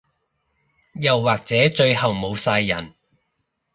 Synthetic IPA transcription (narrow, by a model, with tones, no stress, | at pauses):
jɐ˨wːaː˨˩k̚t͡sɛː˨˥t͡ʃɵ˧ɥhɐ˨˩wmo˨˧wsaː˧jːɐ̰˨˩n